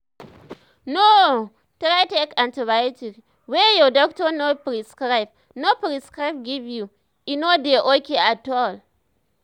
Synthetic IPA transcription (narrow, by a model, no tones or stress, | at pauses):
no | tɾajtekãntəbajtik | wejɔdɔk̚tɔnopɾiskɾaɪb̚ | nopɾiskɾajb̚ɡivju | ʔinodeʔokʲeʔatɔl